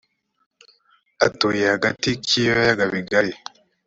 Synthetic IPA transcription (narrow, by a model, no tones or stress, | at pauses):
atoːjehaɡatikʰijajaɡaβiɡaɾi